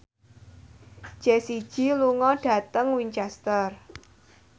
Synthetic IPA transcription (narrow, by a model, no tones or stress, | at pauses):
d͡ʒ̥ɛsid̥ʒ̥iluŋɔɖ̥ä̤t̪əŋwiɲt͡ʃɛst̪ər